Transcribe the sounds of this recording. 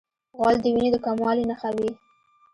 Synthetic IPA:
ɣwɑld̪əwined̪əkamwɑlinaxawi

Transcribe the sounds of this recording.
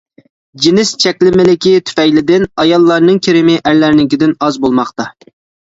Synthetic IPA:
d͡ʒɪnɪst͡ʃʰɛkʲlɪmɪlɪkʲit̪ʰy̥fɛjlɪd̪ɪnɑjɑlˠːɑɾnɨŋkʲʰeɾɪmɪʔæɾlæɾnɪkʲɪd̪ɪnɑzbolˠmɑχt̪ɑ

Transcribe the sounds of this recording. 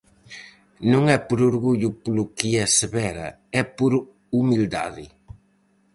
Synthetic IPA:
nũŋɛpoɾuɾɣuʎʊplokiɐseβɛɾɐ̰ | ɛpoɾ | umild̪a̰ðɪ

